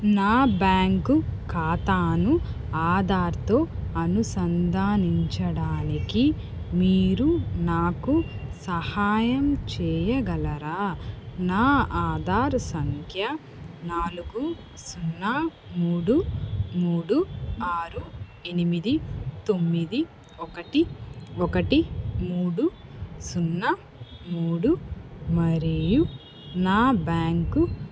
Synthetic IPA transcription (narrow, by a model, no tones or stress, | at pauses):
naːbaːŋkukaːt̪aːnu | aːd̪aːɾt̪oːɐnusɐnd̪aːniɲt͡ʃɐɽaːniki | miːɾunaːkusɐhaːjɐmt͡ʃɛːjɐɡɐlɐɾaːnaːaːd̪aːɾsɐŋkʰjɐ | naːluɡu | sunːɐ | muːɽumuːɽuaːɾu | e̞nimid̪it̪omːid̪i | ɔkɐʈiɔkɐʈimuːɽusunːɐ | muːɽumɐɾeːju | naːbaːŋku